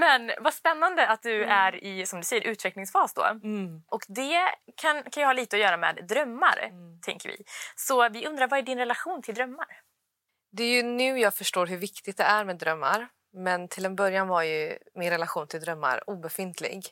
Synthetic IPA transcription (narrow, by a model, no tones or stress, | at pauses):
mɛnvaspɛnːand̪əat̪̚d̪ɵæɾɪsɔmd̪ɵsɛjːəɾʔʉ̟ːt̪vɛklɪŋsfɑːsd̪ɔ̰ʔɔkd̪ɛkʰankʰanjɑhɑːliːt̪əɔjœːɾamɛ̰ːd̪ːɾœmːa̰ɾt̪ʰɛ̰ŋkəɾvɪ̰sɔvɪɵnd̪ɾaɾvaæɖɪnɾɛlaɧuːnt̪ʰɪld̪ɾœmːaɾ | d̪ɛæɾjɵnʉ̟ːjɑːɡfœʂʈoːɾɦɵɾvɪkt̪ɪɡ̚t̪̚d̪ɛæɾmɛːd̪ɾœmːa̰ɾ | mɛnt̪ʰɪlɛnbœɾjanvaɾjɵmɪnɾɛlaɧuːnt̪ʰɪld̪ɾœmːa̰ɾuːbɛfɪnt̪ʰlɪ̰ɡ